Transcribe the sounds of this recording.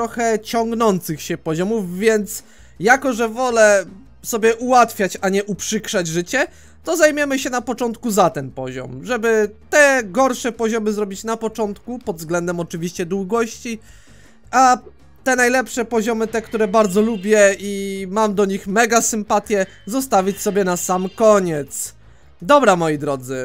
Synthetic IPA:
ɾɔxɛt͡ɕɔŋɡnɔnt̪sɘxɕɛpɔʑɔmufvʲjɛnt̪s | jakɔʐɛvɔlɛ | sɔbʲjɛʔuwat̪fʲjat͡ɕaɲɛʔupʂɘkʂad͡ʑʐɘt͡ɕɛ | t̪ɔzajmʲjɛmɘɕɛnapɔt͡ʂɔnt̪kuzat̪ɛnpɔʑɔ̰mʐɛbɘt̪ɛɡɔɾʂɛpɔʑɔmɘzɾɔbʲit͡ɕnapɔt͡ʂɔnt̪kupɔd̪vzɡlɛnd̪ɛmɔt͡ʂɘvʲiɕt͡ɕɛd̪wuɡɔɕt͡ɕi | a | t̪ɛnajlɛpʂɛpɔʑɔmɘt̪ɛkt̪uɾɛbaɾd̪zɔlubʲjɛimamd̪ɔɲixmɛɡasɘmpat̪ʲjɛ | zɔst̪avʲit͡ɕsɔbʲjɛnasamkɔɲɛt̪s | d̪ɔbɾamɔjid̪ɾɔd̪zɘ

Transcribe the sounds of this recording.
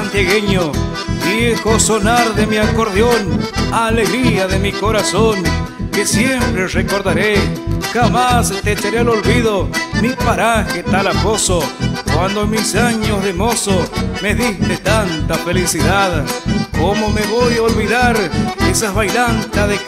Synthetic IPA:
ant̪jaɣeɲo | d̪jexosonaɾðemiakoɾðjonaleɣɾiaðemikoɾasoŋkesjempɾerekoɾðaɾexamast̪et͡ʃeɾealolβiðomipaɾaxet̪alaposokwand̪omisaɲozðemosomeðiht̪et̪ant̪afelisiðaðkomomeβojaolβiðaɾesaβajlant̪aðe

